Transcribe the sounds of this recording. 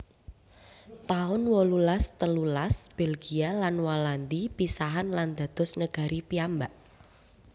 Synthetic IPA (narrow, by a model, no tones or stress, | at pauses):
t̪aʊnwɔlulast̪əlulasb̥elɡ̥ialanwɔland̪ipisaɦanland̪̥ä̤d̪̥ɔ̤snəɡ̥a̤ɾipiambaʔ